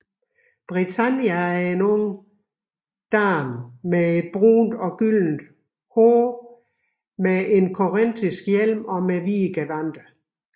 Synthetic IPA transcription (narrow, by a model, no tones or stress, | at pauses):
b̥ʁit͡sʰænjææɐe̝nɔŋə | d̥ɑːmmːee̝d̥̚b̥ʁṵːnd̥ɒ̽ɡ̥ylnd̥ | hoː | mee̝nkʰoʁend̥isɡ̥jel̰mɒ̽meʋiːɡ̥eʋænd̥ɐ